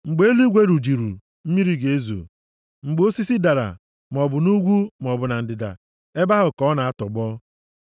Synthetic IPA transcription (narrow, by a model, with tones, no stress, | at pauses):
ŋ͡m̩˨ɡ͡be˦e˦li˦ɡʷe˦ɾu˨d͡ʒi˨ɾṵ˨ | m̩˦mi˦ɾi˦ɡe˨e˦zo̰˨ | ŋ͡m̩˨ɡ͡bo˦si˦si˦da˨ɾa̰˨ | m˨ɔ˨bʊ˨nu˦ɡʷu˦m˨ɔ˨bʊ˨na˨n̩˨dɪ˨da̰˨ | e˦ba˦ɦʊ˨kɔ˦na˨a˦tɔ˨ɡ͡bɔ˦